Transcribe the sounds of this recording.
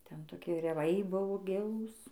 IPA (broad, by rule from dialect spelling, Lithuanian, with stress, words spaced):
ˈtʲɛn toːˈkʲiɛ rʲɛˈʋɐɪ ˈbʊʋoː ˈɡʲɪlˠuːs